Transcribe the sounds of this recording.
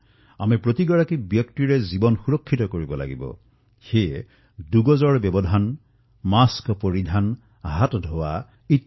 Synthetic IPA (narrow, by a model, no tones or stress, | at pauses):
a̰mɛpɹot̪iɡɔɹakibjɔktiɹɛzibɔnxuɹɔkʰːitɔkoɹibɔla̰ɡibɔ̰ | xe | duɡɔzɔɹbjɔbɔd̪ʱan | maskɔpoɹid̪ʱan | ɦatdʱowa | it